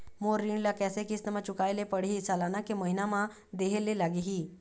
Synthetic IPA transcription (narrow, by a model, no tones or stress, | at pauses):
moɾːiɳlakɛsekist̪əmat͡ʃukajlepəɽɦisalanakeməɦinamã | d̪eɦelːelaɡiɦi